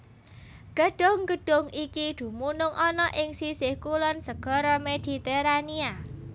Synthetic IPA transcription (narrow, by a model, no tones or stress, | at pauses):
ɡ̥əɖ̥ʊŋɡ̥ə̤ɖ̥ʊ̤ŋikid̪̥ṳmunʊŋʔɔnɔʔɪŋsisɪhkulʊnsəɡ̥ɔ̤ɾɔmed̪̥i̤t̪eɾania